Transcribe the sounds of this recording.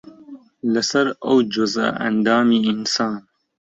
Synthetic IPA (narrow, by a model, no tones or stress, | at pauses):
lɐsɐɾɐ̰wd͡ʒʊza̰ɐ̰nd̪aːmiɪnsaːn